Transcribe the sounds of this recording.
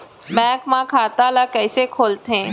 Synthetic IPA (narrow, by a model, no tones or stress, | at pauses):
mɛ̃ːkmãkʰaːt̪alakɛːsekʰoːlt̪ẽː